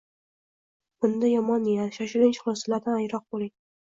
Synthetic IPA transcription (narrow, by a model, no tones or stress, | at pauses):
bʊnd̪ajɒmɒnːijat̪ʃaʃʊlɪnʲt͡ʃχlˠɒslaɾd̪anajɾɒq̚bolˠɪŋ